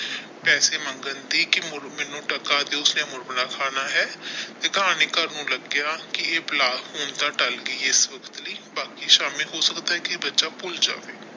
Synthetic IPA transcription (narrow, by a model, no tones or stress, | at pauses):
pɛːseːməŋɡənd̪iːkɪmʊɾmɪnũːʈəkaːt̪eːʊsnẽmʊɾbənaːkʰaːnaːɦɛːt̪eːkəɦaːneːkəɾnũːləɡjaːkɪeːplaːhoːnt̪aːʈəlɡəiːɪsʋəkʰə̥t̪ləiːbaːkiːʃaːmɪlɦoːsəkt̪aːɦɛːkɪbətːʃaːpʊld͡ʒa̰ːʋeː